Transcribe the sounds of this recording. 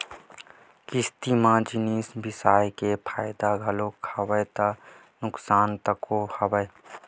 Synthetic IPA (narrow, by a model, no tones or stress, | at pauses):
kɪst̪imãd͡ʒɪniːsbɪsaːjkepʰaːjɪd̪aɡʱɐlokʰəwət̪a | nʊksaːnt̪əkohɐbəj